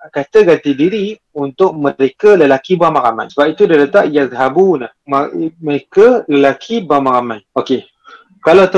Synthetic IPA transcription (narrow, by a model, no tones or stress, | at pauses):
kat̪əɡant̪idiɾi | unt̪ʊk̚məɾekələlakibamaɾama̰jsəbap̚it̪udadət̪aʔjazɦabunahmaməɾekələlakʰibamaɾamãjoke | kalat̪ə